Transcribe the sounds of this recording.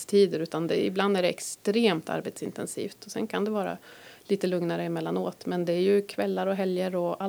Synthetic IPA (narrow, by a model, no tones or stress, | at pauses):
st̪ʰiːd̪əɾʉ̟ːt̪and̪ɛɪbland̪æɖɛɛkst̪ɾeːmt̪ʰa̰ɾbet̪sɪnt̪ɛnsḭːft̪ɔsɛ̰nkʰand̪ɛvɑːɾa̰liːt̪əlɵŋnaɾəɪmɛlːanoːt̪mɛnd̪ɛæɾjɵkʰvɛlːaɾɔɦɛljəɾɔa